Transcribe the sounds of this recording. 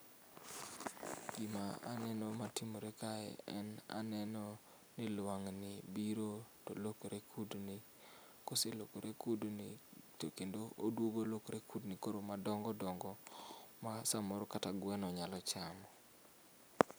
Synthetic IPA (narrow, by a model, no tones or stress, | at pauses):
ɡ̥imaa̰nɛnɔmatimoɾekaɛ̰ɛna̰nɛnɔ | nɪlwaŋnɪbiɾotolokoɾekʰudnɪ | koselokoɾʔekudnitokendoodwoɡolokoɾekudnɪkoɾomadɔŋɡɔdɔŋɡɔmasamɔɾɔkataɡwɛnɔɲalɔt͡ʃamɔ